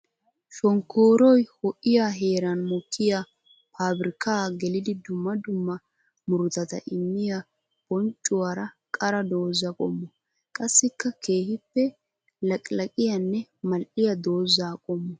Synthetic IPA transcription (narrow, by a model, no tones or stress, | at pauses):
ʃɔŋkːoːɾɔjhɔʔɪjaɦeːɾɐnmɔkʰːɪja | pʰaːbɪɾɪkaːɡɛlɪd̪ɪd̪ʊmːɐd̪ʊmːɐ | mʊɾʊt̪ɐt̪ɐ̰ʔɪmːɪja | b̥ɔnt͡ʃʼːʊwaːɾɐ | kʼɐɾɐd̪o̞ːzːɐkʼɔmːɔ | kʼɐsːɪkːɐkʰe̞ːhɪpːɛ | lɐkʼlɐkʼɪjɐnːɛmɐlʔɪjɐd̪o̞ːzaːkʼɔmːɔ